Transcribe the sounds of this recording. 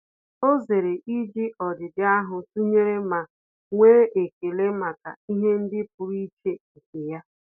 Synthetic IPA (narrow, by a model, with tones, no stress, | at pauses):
o˦ze˨ɾe˨ʔi˦d͡ʒɪ˦ʔɔ˨dɪ˨dɪ˦a˦ɦʊ˨tu˦ɲe˦ɾe˦ma˨ | ŋʷeː˦ʔe˨ke˨le˦ma˨ka̰˨i˦ɦe˦n̩˦dɪ˦p̚ʊ˨ɾi˦t͡ʃe˦˨ke˨ja˦